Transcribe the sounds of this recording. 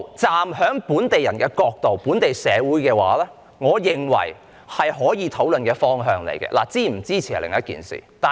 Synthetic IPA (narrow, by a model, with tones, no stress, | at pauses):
t͡saː˨mɦœː˨˥ŋpuː˨˥nt̪e˨jɐ̰˨˩nkɛː˧kɔː˧k̚t̪o˨wpuː˨˥nt̪e˨jsɛː˨˧wuː˨˥jkɛː˧wa̰ː˨˥lɛː˥ | ŋɔː˨˧jɪ˨ŋwɐ̰˨˩j | hɐ˨jɦɔː˨˥jiː˨˧t̪ʰo˨˥wlɵ˨nkɛː˧fɔː˥ŋɦœː˧ŋlḛ˨˩jkɛ̰˧lʔa̰ː˨˩t͡siː˥m̩˨˩t͡siː˥t͡sʰiː˨˩˨lɪ̰˨˩ŋjɐ˥t̚kḭː˨nsḭː˨˩t̪aː˨